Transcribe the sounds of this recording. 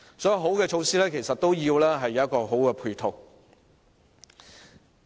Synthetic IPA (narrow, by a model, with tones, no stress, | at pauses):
sɔː˨˥ji˧wɦo˨˥wkɛː˧t͡ʃʰo˨˧wsiː˥lɛː˥kʰe˨˩jsɐ˨t̚t̪o˥wjiː˧wlɛː˥ɦɐ˨jːɐ˨˦wjɐ˥tkɔː˧ɦo˨˥wkɛː˧pʰuː˧jt̪ʰo˨˧w